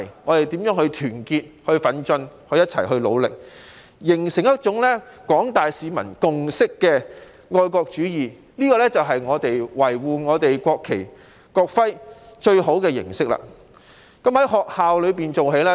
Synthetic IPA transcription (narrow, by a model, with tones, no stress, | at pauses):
ŋɔː˨˧t̪e˨jt̪iː˨˥mjœː˨˥ŋhɵ˧t̪ʰyː˨˩nkiː˧t̚hɵ˧ɥfɐ˨˥nt͡ʃɵ˧nhɵ˧ɥjɐ˥t̚t͡sʰɐ̰˨˩jɦɵ˧ɥlo̰˨˧wlɪ̰˨k̚ | jɪ˨˩ŋsɪ˨˩ŋjɐ˥t̚t͡ʃʊ˨˥ŋlɛ˥kɔː˨˥ŋt̪aː˨jsiː˨˧mɐ̰˨˩nkʊ˨ŋsɪ˥kːɛː˧ | ŋɔː˧jkɔː˧k̚t͡ʃyː˨˥jiː˨ | liː˥kɔː˧lɛ˥t͡sɐ˨wɦɐ˨jŋɔː˨˧t̪e˨jwɐ˨˩jwuː˨ŋɔː˨˧t̪e˨jkʷɔː˧kʰːe˨˩j | kɔː˧k̚fɐ˥jt͡ʃɵ˧ɥɦo˨˥wkɛː˧jɪ̰˨˩ŋsɪ˥k̚la̰ː˨ | kɐ˨˥mhɐ˨˥jɦɔː˨k̚haː˨wlɵ˨˧ɥpiː˨nt͡so˨wɦe˨˥jlɛː˥